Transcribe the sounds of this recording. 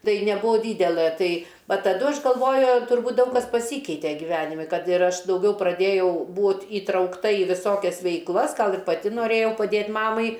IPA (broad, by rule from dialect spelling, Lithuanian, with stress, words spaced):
ˈtɐɪ nʲɛˈbuːʋoː ˈdʲiːdʲɛlˠɘ ˈtɐɪ ˈʋɐ tɐˈdʊ ˈɐʃ ɡɐlˠˈʋoːjʊ tʊrˈbuːt ˈdɐʊk kɐs pɐˈsʲiːkʲɛɪtʲɛ ɡʲiːˈʋʲæːnʲɪmʲɪ ˈkɐt ɪr ˈɐʃ dɐʊˈɡʲɛʊ prɐˈdʲeːjɛʊ ˈbuːt iːtrɐʊkˈtɐ ɪ ʋʲɪˈsoːkʲɛs ʋʲɛɪkˈlˠɐs ˈɡɐlˠ ɪr pɐˈtʲɪ noːˈrʲeːjɛʊ pɐˈdʲeːt ˈmɑːmɐɪ